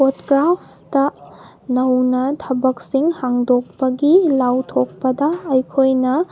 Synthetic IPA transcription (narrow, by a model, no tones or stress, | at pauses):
potkɾapʰ | tɐ | nɐwnɐtʰɐbɐk̚siŋhaŋdok̚pɐɡilawtʰok̚pɐdɐːjkʰojnɐ